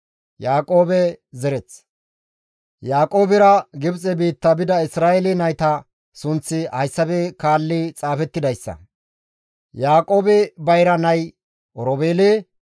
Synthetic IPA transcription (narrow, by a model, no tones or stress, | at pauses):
jaːkʼo̞ːbɛzɛɾɛt͡s | jaːkʼo̞ːbɪɾɐɡɪbt͡sʼɛbiːt̪ːɐbɪd̪ɐɪsɾaːɛlɪnɐjt̪ɐ | sʊnt͡sːɪhɐjsːɐbɛkaːlːɪt͡sʼaːfɛt̪ːɪd̪ɐjsːɐ̰ | jaːkʼo̞ːbɪbɐjɾɐnɐj | ʔɔɾɔbeːlɪ